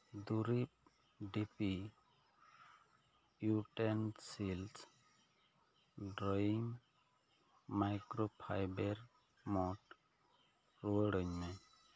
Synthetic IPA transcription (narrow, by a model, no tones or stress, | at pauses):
d̪uɾip̚ | ɖipi | juʈensils | ɖɾɔjiŋ | majkɾopʰajbeɾ | mɔʈ | ɾuəɽɔɲme